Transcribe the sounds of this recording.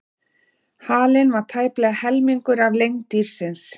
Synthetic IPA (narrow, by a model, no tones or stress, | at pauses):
haːlɪnvaɾ̥t̪ʰaːjplɛːɣahɛlmiŋkʏɾavlejŋt̪iɾ̥sɪns